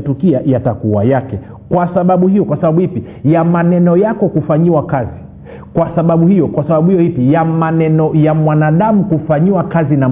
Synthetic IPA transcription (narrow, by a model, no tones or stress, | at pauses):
tukiajatakuwa̰jakɛ | kwasaɓaɓuhijɔkwasaɓaɓuhipi | jamanɛnɔjakɔkufaɲiwakazi | kwasaɓaɓuhijɔkwasaɓaɓuhijɔhipijamanɛnɔjamwanaɗamukufaɲiwakazina